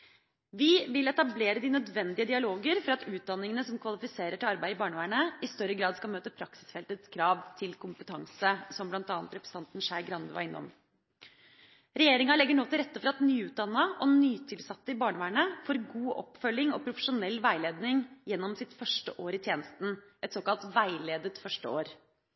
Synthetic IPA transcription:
ʋɪʋɪlɛt̪ɑbleːɾəd̪ɪnœd̪ʋɛnd̪ɪəd̪ɪɑloːɡəɾfɔɾɑt̪ʉːt̪̚d̪ɑnːɪŋənəsɔmkʰʋɑlɪfɪseːɾəʈɪlɑɾbæɪɪbɑːɳəʋæːɳəɪst̪œɾəɡɾɑːd̪skɑlmøːt̪əpʰɾɑksɪ̥sfɛlt̪ət̪skʰɾɑːʋt̪ʰɪlkʰʊmpət̪ʰɑŋsəsɔmblɑnt̪ɑːnt̪ɾɛpɾɛst̪ɑnt̪n̩ʂæɪɡɾɑnd̪əʋɑ̰ɾɪnːɔ̰m | ɾɛjeːɾɪŋɑlɛɡːəɳoːt̪ɪɾɛt̪ːəfɔɾɑt̪nyːʉːd̪ɑnːəʔɔnyːt̪ʰɪlsɑt̪ːəɪbɑːɳəʋæːɳəfɔɾɡuːʔɔ̰pfœlːɪŋɔ̰pʰɾʊfəʂʊnɛlːʋæɪleːd̪nɪŋjɛnːɔmsɪt̪fœʂʈəʔoːɾɪt̪ʰjeːnəst̪n̩ʔɛt̪soːkɑlt̪ʋæɪleːd̪ət̪fœʂʈə̰o̰ːɾ

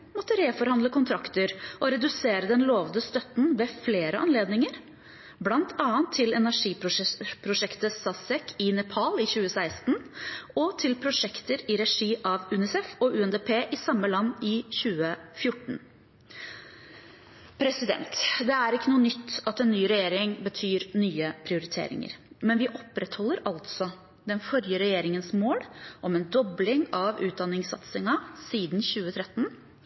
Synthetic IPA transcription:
mɔt̪ːəɾeːfɔɾhɑnd̪ləkʊnt̪ʰɾɑkt̪əɾʔɔɾɛd̪ʉseːɾəd̪ɛnloːʋd̪əst̪œt̪n̩ʋɛfleːɾəʔɑnleːd̪nɪŋəɾ | blɑnt̪ʰɑːənt̪ʰːɪlɛnæʂiːpɾʊpʰɾʊʂɛkt̪əsɑsɛkɪnɛpʰɑlɪçʉːəsæɪst̪nɔt̪ʰɪlpʰɾʊʂɛkt̪əɾɪɾɛʂiːʔɑʋʉnɪsɛfɔʔʉɛnd̪eːpʰeːʔɪsɑmːəlɑnːɪçʉːəfjʊʈːɳ̩ | pʰɾɛsɪd̪ɛ̰nt̪d̪ɛæɾɪkːənuːənʏt̪ːɑt̪ɛnːyːɾɛjeːɾɪŋbət̪ʰyːɾnyːəpʰɾɪʊɾɪt̪ʰḛːɾɪ̰ŋə̰ɾ | mɛnʋɪʔɔpːɾɛt̪hɔlːəɾɑlt̪sɔ | d̪ɛnfɔɾjəɾɛjeːɾɪŋənsmoːlʔɔmɛːnd̪ɔblɪŋɑʋʉːt̪̚d̪ɑnːɪŋsɑ̰t̪sɪŋɑsiːd̪nçʉːət̪ʰɾɛt̪ːn

